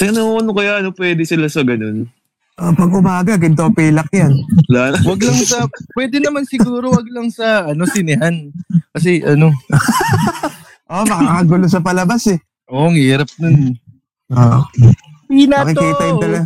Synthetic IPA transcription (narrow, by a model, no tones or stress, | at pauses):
sɐnɐuɐnokɐjaʔɐnopwɛːd̪ɛsɪlasɐɡɐno̞n | ʔopɐɡʔʊmaːɡɐk̬ɪnt̪opɛːlɐkjanlaːnɐwɐɡlaŋsɐpwɛːd̪ɛnɐmansɪɡuːɾowɐɡ̚lɐŋsɐɐno̞sɪnɪɦankɐs̬ɛʔɐno̞ | ʔoʔmɐkakɐɡʊlosɐpɐlɐbasɛ | ʔoʔŋhiːɾɐp̚nʊn | ʔoʔ | ɪnaɐɐkɪkiːt̪ɐjɪnɐlɐɡ